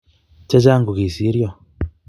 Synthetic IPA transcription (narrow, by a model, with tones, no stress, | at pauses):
ce˦t͡ʃaː˦ŋɡu˨ɣi˨si˨˦ɾjo˦